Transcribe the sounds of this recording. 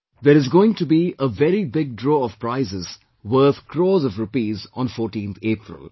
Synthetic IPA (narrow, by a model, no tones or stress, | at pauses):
d̪eɾɪzɡoːɪ̃ŋʈubiʔəʋɛɾibɪɡ̚dɾoːɔv̥pɾaɪzɪz̥ | wəɾt̪kʰɾɔːzɔvɾʊpiːzɔ̃nfɔːɾʈĩnt̪ʰeːpɾɪ̰l